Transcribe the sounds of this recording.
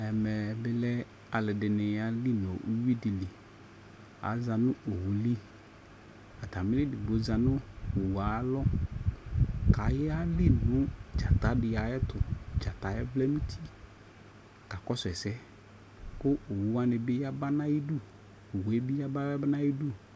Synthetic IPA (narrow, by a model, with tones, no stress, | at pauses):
ɛ˨mɛ˨bɪ˦lɛ˦ | a˨lɪ˨dɪ˨nɪ˨ja˦li˦nɔ˨ʔṵ˦wi˦dɪ˨li˨ | a̰˨za˨nʊ˦ʔo˨wu˨li˦ | a˨ta˨mɪ˦lɪ˦dɪ˨bo˨˦za˨nʊ˦o˨wa˨˦lɔ˦ | ka˨jɛ˦a˦li˦nʊ˦d͡ʒa˨ta˨˦dɪ˨ja˨jɛ˦tʊ˨d͡ʒa˨ta˨jɛ˦blɛ˦mĩ˦tʰi˦ | ka˨kɔ˦sɛ˨sɛ˦ | kʊ˦o˨wu˨˦wa˦nɪ˨bɪ˦ja˦ba˦na˦ji˦du˦ | o˨we˦bɪ˦ja˦ba˦ɛ˦ba˦na˦ji˦du˦